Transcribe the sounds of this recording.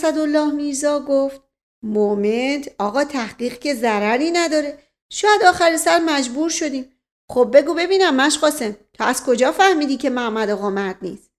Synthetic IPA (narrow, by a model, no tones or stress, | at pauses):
sæd̪o̞lːɒːhmiːzɒːɡoːft̪̚ | moment̪ʰɒːɣɒːt̪ʰæhɢiːɣcʰe̞zæɾæɾiːnæd̪ɒːɾe̞ | ʃɔːjæd̪ɒːxæɾisæɾmæd͡ʒbuːɾʃo̞d̪iːm | χob̚ːe̞ɡuːbe̞biːnæmːæʃɢɒːse̞mt̪ʰɒːæz̥kʰo̞d͡ʒɒːfæhmiːd̪iːcʰe̞mæmæd̪oɣomæt̪nḭːs